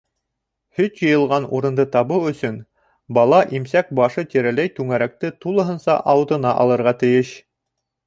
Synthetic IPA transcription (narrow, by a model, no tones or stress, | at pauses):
hɵt̪jɤ̆jɤ̆lˠʁɑnuɾɤ̆nd̪ɤt̪ɑβɤwɵ̆sɵn | bɑlˠɑʔimsæk̚bɑʃɤt̪iɾælæjt̪ʉŋæɾæk̚t̪ɘt̪ulˠɤ̆ɦɤ̆nsɑ̰ʔɑwɤ̆t̪ɤ̆nɑʔɑlˠɤ̆ɾʁɑt̪ɘ̆jɘʃ